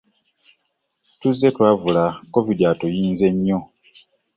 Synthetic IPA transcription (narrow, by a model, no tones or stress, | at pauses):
tuzːe̞twaːvulako̞vidiatojiːnze̞ɲːo̞